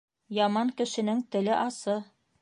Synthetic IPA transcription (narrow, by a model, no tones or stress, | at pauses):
jɑmɑŋkɘ̆ʃɘ̆nɘŋt̪ɘ̆lɘʔɑsɤ